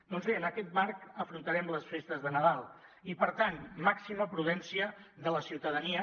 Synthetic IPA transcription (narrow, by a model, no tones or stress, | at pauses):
d̪̥ɔnzβeənəkɛt̪̚maɾkəfɾunt̪əɾɛmləsfest̪əzðənəðalˠ | ipəɾt̪anmaksiməpɾuðɛnsiəðələsiwt̪əðəniə